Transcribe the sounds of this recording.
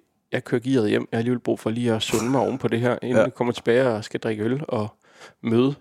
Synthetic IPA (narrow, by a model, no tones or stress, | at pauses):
jɑ̈ɪkʰøɐ̰ɡ̥ḭːɐð̞̩ˠjem̰jɑhɑæliːʋelb̥ʁṵːfɒ̽liːɒsɔ̽nəmɑ̈ɒ̰ʊn̩əpʰɒ̽d̥e̝ɦɛɐ̰ʔe̝nikʰɒ̽m̰ɐt͡sʰe̝b̥ɛːɪɒsɡ̥æd̥ʁɛɡ̥əølɒ̽ | møːð̞ˠə